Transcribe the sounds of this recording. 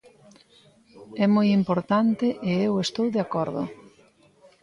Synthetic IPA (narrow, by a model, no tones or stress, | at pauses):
ɛmojimpoɾt̪ant̪ɪʔɪewest̪owðeakɔɾðʊ̰